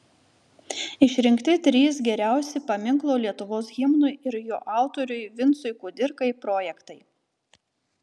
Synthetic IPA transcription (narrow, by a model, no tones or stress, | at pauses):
ɪʃʲɾʲɪŋkt̪ʲɪt̪ʲɾʲiːsɡʲɛɾʲæˑʊsʲɪpɐmʲɪŋklˠoːlʲiɛt̪ʊʋoːsɣʲɪmnʊɪɪɾjoːʔɑˑʊt̪oɾʲʊɪʋʲɪnt̪sʊɪkʊːd̪ʲɪɾkɐɪpɾoːjɛkt̪ɐɪ